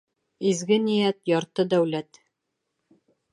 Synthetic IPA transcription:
izɡɘnijæt̪jɑɾt̪ɤd̪æwlæt̪

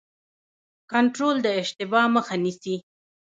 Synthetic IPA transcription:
kaɳʈɾold̪əɪʃt̪ɪbɑməxanisi

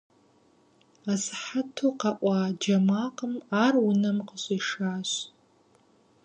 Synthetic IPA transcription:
azħatʰuqaʔʷɑd͡ʒɐmaːqəmaːrwʊnɐmqəɕʼiʂaːɕ

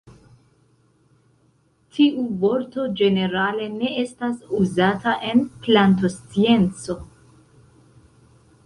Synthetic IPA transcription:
tʰiʔuvo̞ɾto̞d͡ʒe̞ne̞ɾale̞ne̞e̞stasuzataʔe̞nplant̬o̞st͡sie̞nt͡so̞

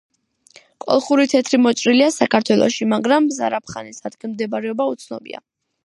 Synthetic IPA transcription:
kʼɔ̰lˠχuɾit̪ʰɛt̪ʰɾimɔt͡ʃʼɾiliasakʰaɾt̪ʰwɛlˠɔ̰ʃimaɡɾamza̰ɾap̚ʰχanisad̪ɡɛnmd̪ɛbaɾɛɔbaut̪sʰnɔbḭa̰

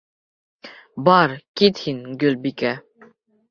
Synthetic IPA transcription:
bɑɾkʲit̪hinɡʲølbikʲæ

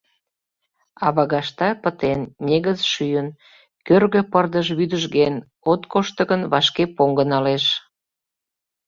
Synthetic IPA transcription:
ɑβɑɣɑʃt̪ɑpət̪enːʲeɣəzʃyjən | kørɣø̆pərd̪əʃβyd̪əʒɣen | ot̪koʃt̪ə̆ɣənβɑʃkepoŋɡə̆nɑleʃ

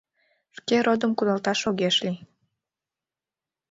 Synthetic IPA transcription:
ʃkeɾod̪əmkud̪ɑlt̪ɑʃoɣeʃli

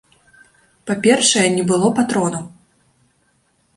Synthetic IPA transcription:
papʲɛrʂɐjɛnʲɛbɨlˠɔpat̪ɾɔnɐ

